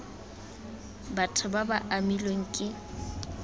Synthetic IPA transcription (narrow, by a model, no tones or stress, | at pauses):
batʰʊbabaʔamiloŋ̩kʼɪ